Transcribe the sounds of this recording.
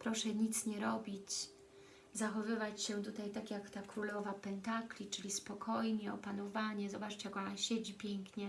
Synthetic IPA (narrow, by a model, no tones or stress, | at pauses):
pɾɔʂɛɲit̪sɲɛɾɔbʲit͡ɕ | zaxɔvɘvat͡ɕɕɛt̪ut̪ajt̪akʲjakt̪akɾulɔvapɛnt̪aklʲit͡ʂɘlʲispɔkʰɔjɲɛɔpanɔvaɲɛzɔbat͡ʂt͡ɕjakɔnaɕed͡ʑipʲjɛŋkɲɛ